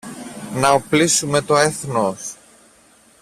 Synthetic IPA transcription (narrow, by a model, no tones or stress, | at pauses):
nɐoplisume̞t̪o̞e̞θnos